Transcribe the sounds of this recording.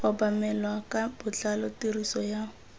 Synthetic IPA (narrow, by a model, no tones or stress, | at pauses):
ʊbamɛlwakab̥ʊt͡ɬalɔtirisɔjaʊ